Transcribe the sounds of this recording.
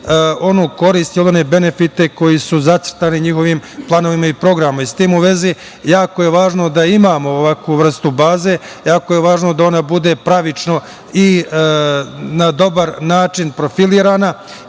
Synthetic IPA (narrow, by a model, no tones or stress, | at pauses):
o̞nuːko̞ɾiːst̪iolonebe̞ne̞fit̪e̞ko̞jisuzat̪sr̩t̪aːniɲixo̞ʋiːmplˠano̞ʋimaipɾo̞ɡɾamoist̪iːmuʋe̞zi | jaːkoje̞ʋaːʒno̞d̪aimaːmo̞ːʋakʋuːʋr̩st̪ubaːzeː | jaːko̞jeʋaːʒno̞d̪ao̞nabud̪e̞pɾaʋit͡ʃno̞ | i | nad̪o̞baɾnaːt͡ʃinpɾo̞filiːɾaːna